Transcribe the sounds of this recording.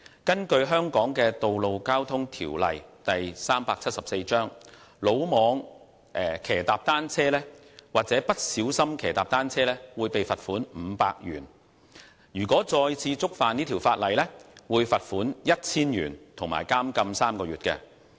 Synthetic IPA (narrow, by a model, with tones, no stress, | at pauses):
kɐ˥nkɵ˧ɥɦœː˥ŋkɔː˨˥ŋkɛː˧t̪o˨wlo˨wkaː˥wt̪ʰʊ˥ŋt̪ʰḭː˨˩wlɐ̰˨jt̪ɐ˨jsaː˥mpaː˧k̚t͡sʰɐ˥t̚sɐ˨p̚se˧jt͡ʃœː˥ŋ | lo˨˧wmɔː˨˧ŋ | ʔɛ˨˩kʰɛː˨˩t̪aː˨p̚t̪aː˥nt͡sʰɛː˥lɛː˥ | waː˨k̚t͡sɛː˨˥pɐ˥t̚siː˨˥wsɐ˥mkʰɛː˨˩t̪aː˨p̚t̪aː˥nt͡sʰɛː˥lɛː˥wuː˨˧jpe˨jfɐ˨t̚fuː˨˥nm̩ː˨˧pa̰ː˧k̚jy̰ː˨˩n | jyː˨˩kʷɔː˨˥t͡sɔː˧jt͡sʰiː˧t͡sʊ˥k̚faː˨˧niː˥t̪ʰiː˨˩wfaː˧t̚lɐ˨˩jlɛ˥wuː˨˧jfɐ˨t̚fuː˨˥njɐ˥t̚t͡sʰiː˥nɥy̰ː˨˩nt̪ʰʊ˨˩ŋma̰ː˨˩jkaː˥mkɐ˧msaː˥mkɔː˧ɥyː˨t̚kɛ̰˧